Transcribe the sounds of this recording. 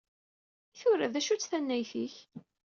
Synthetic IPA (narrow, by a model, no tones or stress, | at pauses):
iθʊɾːæðæʃut͡sːθænːæjθiç